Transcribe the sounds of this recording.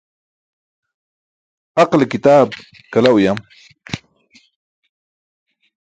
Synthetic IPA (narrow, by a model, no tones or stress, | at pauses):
hɑqlɪkɪt̪aːb̚ | kalawjam